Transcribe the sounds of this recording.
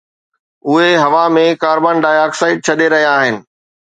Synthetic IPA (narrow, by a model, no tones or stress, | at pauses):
ʊɦeɦɐʋamẽkaːɾbaːnɖaːjaːksaːɪɖ̚t͡ɕʰɐɗeɾɐɦijaːɦɪnɪ̆